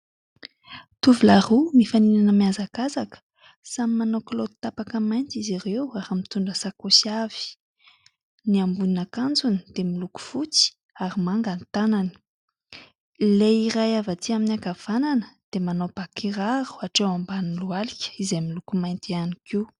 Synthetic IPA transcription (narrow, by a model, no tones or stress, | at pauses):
t̪uvulaɾumifaninanəmiazakazakə̥ | samimanoklod̪it̪apakəmajnt͡siziɾewaɾamit̪uɳɖ͡ʐəsakosav̥i̥ | niambuninakand͡zuni̥d̪̥emiluku̥fut͡si̥ | aɾimaŋɡant̪anani̥ | leiɾajavat̪iaminiaɡav̥ananə̥d̪̥emanob̥akiɾaɾu̥aʈ͡ʂewambanilualikʲə̥izejmilukumajnt̪ianiki